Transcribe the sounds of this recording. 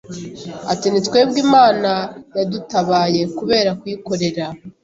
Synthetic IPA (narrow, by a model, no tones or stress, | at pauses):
atenet͡skwe̞bɡiːmaːnajadutaβaːje̞kuβe̞ːɾakwiːko̞ɾe̞ɾa